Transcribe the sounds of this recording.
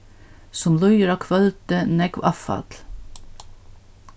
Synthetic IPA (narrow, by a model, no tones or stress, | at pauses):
sʊmlɔjəɾɑkʰvœlt̪ənɛkwafɑ̰t̪l̥